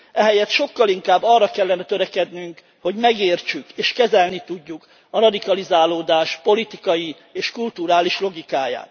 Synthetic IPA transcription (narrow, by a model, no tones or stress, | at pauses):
ɛɦɛjɛt̪ʃo̞kːɒliŋkaːbːɒrːɒkɛlːɛnɛt̪øɾɛkɛd̪nyŋk | ho̞ɟmɛɡeːrt͡ʃykeːʃkɛzɛlnit̪uɟːuk | ɒrɒd̪ikɒlizaːloːd̪aːʃpo̞lit̪ikɒji | eːʃkult̪uɾaːliʃlo̞ɡikaːja̰ːt̪